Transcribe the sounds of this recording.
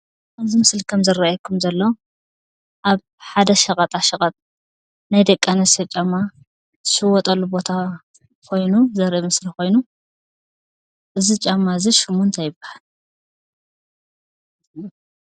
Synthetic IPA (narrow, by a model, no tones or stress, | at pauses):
kʰɐmzimɨslkʰɐmzɨraajkʰumzɐlːɐw | ʔaβ | ħad̪ɐʃɐkʼɐt̪ʼaʃɐkʼɐt̪ʼ | najd̪ɐkʼːanɐsɐt͡ʃʼamːa | zɨʃɨwɔt̪ʼɐlːubo̞t̪ʰa | kʰo̞jnuzɐɾʔimɨslixo̞jnu | ʔɨzit͡ʃʼamːaziʃɪmunt̪ʰajɪbːahal